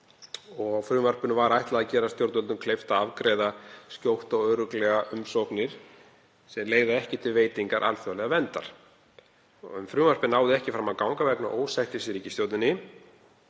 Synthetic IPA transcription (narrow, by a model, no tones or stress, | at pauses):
ɔɣfɾʏːmvar̥pʏnʏvaɾajht̪laðacɛːɾast̪jowɾt̪œlʏmkʰlejft̪aavkɾeːjðascowht̪ɔɣœːɾʏklɛɣaʔʏmsowknɪɾ̥ | sɛmleːjɣðaɛhcɪt̪ʰɪlveːjt̪iŋkaɾʔa̰lfœalɛɣavɛnt̪a̰ɾ̥ | ʏmfɾʏːvar̥pɪnaːwðɪɛhcɪfɾamːawkawŋkavɛkna̰ʔoːwsajht̪ɪsɾiːcɪst̪joːwt̪nɪnːɪ